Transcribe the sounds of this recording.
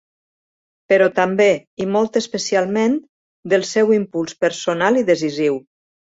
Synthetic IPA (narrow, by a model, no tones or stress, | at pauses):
pəɾɔt̪ambeimɔlˠt̪əspəsialˠmen | d̪əlˠsɛwimpulˠspəɾsonaliðəziziw